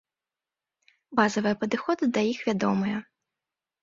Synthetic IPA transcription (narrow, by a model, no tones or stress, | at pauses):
bazɐvɨjɐpɐd̪ɨxɔd̪ɨd̪ɐjixvʲad̪ɔmɨjɐ